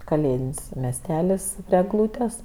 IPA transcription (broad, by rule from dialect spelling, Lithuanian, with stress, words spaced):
kɐˈlʲeːdʲɪnʲsʲ mʲɛsʲˈtʲæːlʲɪs pʲrʲiɛ ɛɡˈlˠuːtʲɛs